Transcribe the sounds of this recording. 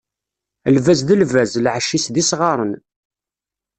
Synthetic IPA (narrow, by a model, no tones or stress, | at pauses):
əlvæzðəlvæzlʕəʃisðisʁɑɾˤən